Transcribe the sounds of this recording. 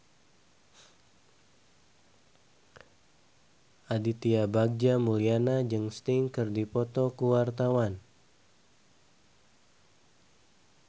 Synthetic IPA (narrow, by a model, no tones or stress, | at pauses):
ʔadit̪iabaɡ̚d͡ʒamulianad͡ʒɨŋst̪iŋkɨrdipɔt̪ɔkuwart̪awan